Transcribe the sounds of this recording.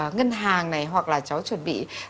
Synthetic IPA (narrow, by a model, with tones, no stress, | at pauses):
ŋə˧nɦaː˨˩ŋna˨˩jɦwa˨˩k̚laː˨˩t͡ɕa˨˦wt͡ɕwə˨˩nɓḭ˧˨